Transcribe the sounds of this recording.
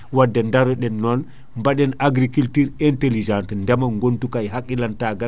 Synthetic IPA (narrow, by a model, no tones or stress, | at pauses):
wadɛndaɾɔɗɛnːɔl | mbaɗɛnaɡɾikiltiːɾɛntelid͡ʒãntɛndɛmaŋɡontukajɦakːilantaɡa